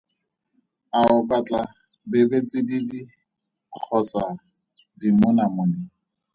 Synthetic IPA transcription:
aʊbat͡ɬʼa | bɪbet͡sʼɪdidi | q͡χʰɔt͡sa | dimʊnamʊːnɪ

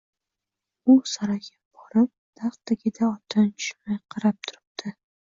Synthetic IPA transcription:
ʊsaɾaɡʲab̥ɒɾɪp̚d̪̥aχt̪aɡʲɪd̪aɒt̪ʰɪnt͡ʃʰʊ̥ʃmajqʰɑɾap̚t̪ʰʊ̥ɾɪp̚d̪̥ʰɪ

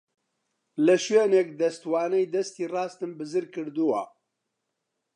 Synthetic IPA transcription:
lɐʃweːnekd̪ɐst̪waːnɛjd̪ɐst̪iːrɑːst̪ɨmbɨzɨɾkɨɾd̪uwa̰

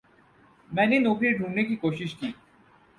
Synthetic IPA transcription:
mɛːnenokʰɾiɾɖʱuɾnekikoːʃiʃkiː

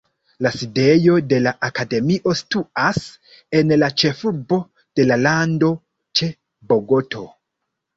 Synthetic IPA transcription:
laside̞jo̞de̞laʔakade̞miʔo̞stuas | e̞nlat͡ʃe̞fuɾbo̞ | d̥e̞lalando̞ | t͡ʃe̞ | bo̞ɡo̞tʰo̞

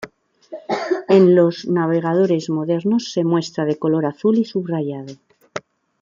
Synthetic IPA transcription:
e̞nlo̞znaβ̞e̞ɣað̞o̞ɾe̞zmo̞ðe̞ɾno̞sːe̞mwe̞st̪ɾað̞e̞ko̞lo̞ɾaθulisuβraʝað̞o

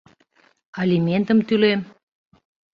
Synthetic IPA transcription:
ɑlʲiment̪əmt̪ylem

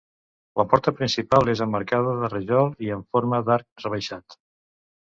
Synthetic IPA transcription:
ləpɔɾt̪əpɾinsipalˠezəmːəɾkaðəðərəʒɔlˠiəɱfoɾməðaɾk̚rəβ̞əʃat̪

